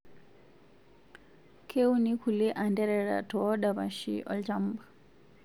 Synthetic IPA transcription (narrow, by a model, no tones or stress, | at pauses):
kʰeunikʰulɛʔandɛɾɛɺa̰tʰɔːɗaβaʃḭʔɔ̰ltam̩ːba